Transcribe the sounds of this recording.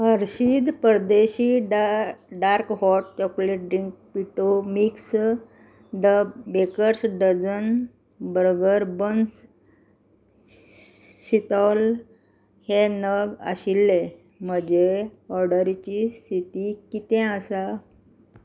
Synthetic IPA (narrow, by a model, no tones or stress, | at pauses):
ɦəɾɕid̪pəɾd̪eɕiːɖɖaɾkɦɔʈ̚t͡ɕɔkleʈ̚ɖɾiŋk̚piʈomiks | ɖəbekəɾsɖəd͡zən | bɾɡəɾbəns | ɕit̪al | henəɡə̰ɕilːe | m̤əd͡ʑeɔɾɖəɾt͡ɕist̪ʰit̪ikit̪ɛ̃əsa